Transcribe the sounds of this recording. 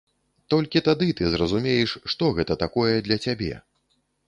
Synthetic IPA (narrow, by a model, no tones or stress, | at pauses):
t̪ɔlʲkʲit̪ad̪ɨt̪ɨzrɐzumʲejɛʂʂt̪ɔɣɛt̪ɐt̪akɔjɛd̪lʲɐt͡sʲabʲɛ̰